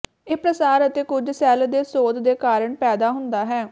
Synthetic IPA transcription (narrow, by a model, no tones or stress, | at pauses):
eːpɾəsaːɾət̪eːkʊd͡ʒsɛːld̪eːsoːd̪d̪eːkaːɾəɳpɛːd̪aːɦʊnd̪aːɦɛː